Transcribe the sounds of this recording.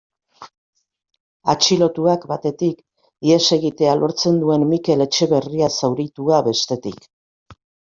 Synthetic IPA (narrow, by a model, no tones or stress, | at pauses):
at͡ʃilo̞t̪uakbat̪e̞t̪ik | ie̞se̞ɣit̪e̞alʔo̞ɾt͡se̞nd̪ue̞nmike̞le̞t͡ʃe̞βe̞riasawɾit̪uaβe̞st̪e̞t̪ik